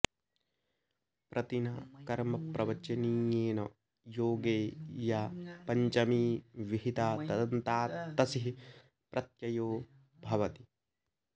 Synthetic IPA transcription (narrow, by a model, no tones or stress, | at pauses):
pɾʔɐt̪inɐkɐɾmɐpɾʔɐʋɐt͡ʃɐniːjeːnɐ | joːɡeːjaːpɐɲt͡ʃɐmiːʋiɦit̪aːt̪ɐd̪ɐnt̪aːt̪ːɐsiɦi | pɾʔɐt̪jɐjoː | bʱɐʋɐt̪i̥